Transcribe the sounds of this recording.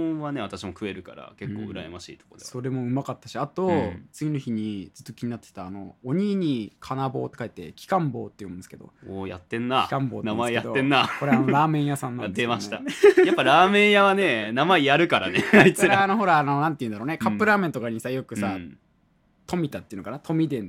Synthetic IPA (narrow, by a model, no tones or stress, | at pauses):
βane̞βat̪aɕimo̞kɯ̟e̞ɾɯ̟ka̰ɾa̰ke̞kːo̰ːɯ̟ɾa̰emaɕḭːt̪o̥kod̪eso̞ɾe̞mo̞ɯ̟makat̪ːaɕiat̪o̞t͡sɨɡʲino̞çiɲ̟id͡zɨ̥t̪ːo̞kʲiɲ̟inat̪ːe̥t̪aːno̞̰ːɲ̟iːɲ̟ikʰanabo̞ːt̪ːe̞kaet̪ːe̞̰kʲi̥kãmbo̞̰ːt̪ːejomɯ̃nd̪sɨ̥ke̞d̪o̞̰oja̰t̪ːẽ̞nːaikãmboːtnamaijead̪oːẽnːakoɾeanoɾaːmẽ̞ɰ̃jasãnːãat̪ːemaɕit̪ajapːaɾaːmẽ̞ɰ̃jaβane̞namaijaɾɯ̟kaɾa̰neit͡ssɾeano̞ɦo̞ɾaːnonãnt̪e̞jɯ̟nd̪ɾoːnekappːɯ̟ɾaːmẽ̞nt̪okaɲ̟isajo̞kɯ̟sa | t̪o̞mʲit̪at̪ːeɯ̟nokanat̪ʰo̞mʲid̪ẽ̞n